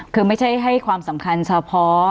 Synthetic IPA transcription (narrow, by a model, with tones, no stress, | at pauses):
kʰɯː˧ma˥˩jt͡ɕʰa˥˩jɦa˥˩jkʰwaː˧msa˩˦mkʰa˧nt͡ɕʰa˧pʰɔ˦˥